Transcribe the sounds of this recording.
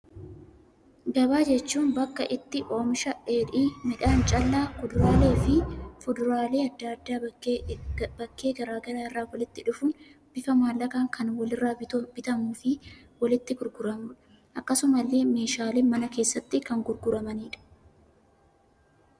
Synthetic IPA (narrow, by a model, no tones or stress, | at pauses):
ɡɐbaːd͡ʒɛt͡ʃːuːnbɐkːɐʔɪt̪ːɪʔo̞ːmɪʃɐe̞ːᶑiːmɪᶑaːnt͡ʃʼɐlːaːkʊd̪ʊɾaːle̞ːfɪfʊd̪ʊɾaːle̞ːɐd̪ːaɐd̪ːaː | bɐkːe̞ːɡɐɾaːɡɐɾaːɪrːaːwɐlɪt̪ːɪᶑʊfʊnb̥ɪfɐmaːlːɐkaːŋkʰɐnwɐlɪrːaːb̥ɪt̪ɐmuːfɪ | wɐlɪt̪ːɪɡʊɾɡʊɾɐmʊᶑɐ | ʔɐkːɐsʊmɐlːe̞ːme̞ːʃaːleːmɐnɐke̞ːsːɐt̪ːɪkɐŋɡʊɾɡʊɾɐmɐniːᶑɐ̥